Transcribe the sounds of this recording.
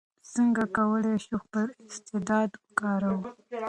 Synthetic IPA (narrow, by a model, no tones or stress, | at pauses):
səŋɡakawəleʃuxpəɾɪst̪ɪd̪ɑd̪kɑɾawu